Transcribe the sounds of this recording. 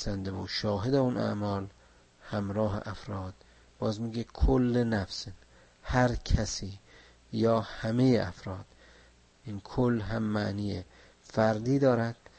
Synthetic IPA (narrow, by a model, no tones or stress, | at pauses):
sænd̪ebuʃɒːɦed̪eunʔæ̰ʔmɒːl | hæmɾɒːɦḛʔæfɾɒːd̪̥ | b̥ɒːzmiːɡekʰolːenæfs | hæɾkʰæsiː | jɒːhæmejeʔæfɾɒːd̪̥ | ʔinkʰolːɦæmːæʔniːje | fæɾd̪iːd̪ɒːɾæd̪̥̚